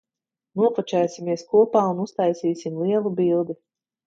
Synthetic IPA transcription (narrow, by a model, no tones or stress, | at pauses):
nuɔfɔt͡ʃɛːsʲimiɛskuɔpaːunust̪ajsiːsimlˠiɛlˠubilˠd̪i